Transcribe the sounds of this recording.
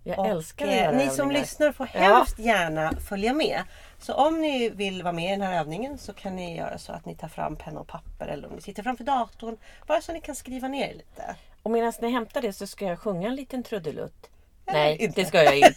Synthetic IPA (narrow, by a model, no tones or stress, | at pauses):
jɑːɡɛlskaɾɛnɪsɔmlʏsnaɾfoːɾhɛlfst̪jæːɳafœljamɛː | sɔʔɔmnɪvɪlvɑːɾmɛɪd̪ɛnhæːɾøːvnɪŋənsɔkʰanːɪjœ̰ːɾa̰sɔ̰a̰t̪nɪt̪ʰɑːfɾa̰mːpʰɛnːɔ̰pʰapːə̰ɾʔɛ̰lːəɾɔ̰mnɪsɪt̪ːəɾfɾamfœɖɑːt̪ʊɳb̥ɑːɾasɔat̪nɪkʰanskɾiːvaneːɾliːt̪ʰə̰ɔmeːd̪ansnɪɦɛmt̪aɖɛsɔskajaɧɵŋːaɛnliːt̪ənt̪ʰɾɵd̪ːəlɵ̰t̪ː | nɛjd̪ɛskajaɪ